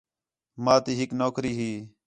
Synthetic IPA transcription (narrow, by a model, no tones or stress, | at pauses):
mãːt̪iːɦɪknoːkɾiːɦiː